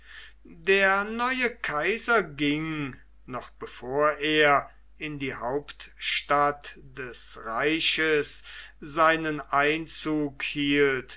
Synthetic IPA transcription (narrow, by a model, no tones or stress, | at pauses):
deːɐnɔʏəkʰaɪzɐɡɪŋ | nɔχb̥əfoːɐʔeːɐ | ʔɪndiːɦaʊptʃtat | d̥ɛsʁaɪɕəsz̥aɪnənʔaɪnt͡suːkhiːlt